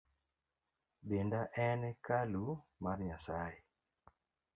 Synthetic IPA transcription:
bendaʔɛnɛkalumarɲasaje

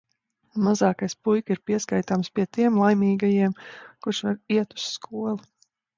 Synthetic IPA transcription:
mazɑːkajspujkiɾpiɛskajt̪aːmspʲiɛt̪iɛmlˠajmʲiːɡajiɛmkuɾʃʋaɾiɛt̪u̥sːkʰuɔlˠu

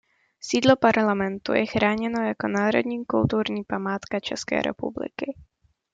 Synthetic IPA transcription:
siːdlo̞paɾlamɛnt̪ṵjɛxɾaːɲɛno̞jako̞naːɾo̞̰d̪ɲiːkult̪uɾɲiːpamaːt̪kat͡ʃɛ̰skɛ̰ːɾʔɛ̰publɪ̰kɪ

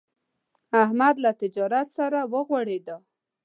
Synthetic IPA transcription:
ahmad̪lat̪ɪd͡ʒɑɾat̪saɾawəɣwaɽed̪a

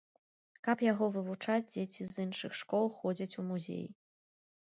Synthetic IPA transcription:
kɐpjaɣɔvɨvut͡ʂad͡zʲd͡zʲet͡sʲizɨnʂɨxʂkɔlˠxɔd͡zʲit͡sʲumuzʲḛj

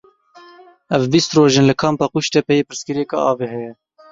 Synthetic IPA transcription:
ɛvbist̪roːʒeːnlɨkʰɑːmpɑːquʃt̪ɛpɛjeːpɨɾskɨɾeːkɑ̰ʔɑːveɦɛjɛ

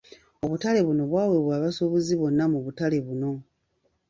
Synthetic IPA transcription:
oβutale̞βuno̞βwaːwe̞βwaːβasoβuziβo̞nːamuβutale̞βuno̞

